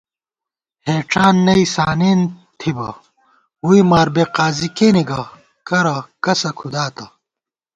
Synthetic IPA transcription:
heːʈ͡ʂaːnːɐisaːneːnt̪ʰibɐ | uimaːɾbeqaːzikeniɡɐ | kɐɾɐkɐsɐkʰud̪aːt̪ɐ

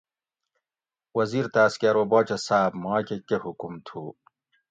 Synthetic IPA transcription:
wɐziːɾt̪aːskaɾwoboːt͡ɕɐsaːbmaːkekehukumt̪ʰu

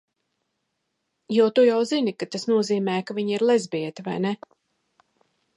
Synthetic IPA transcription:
juɔt̪ujawzinikat̪asnuɔziːmɛːjkaviɲiɾlˠɛzbʲiɛt̪iva̰jnɛ

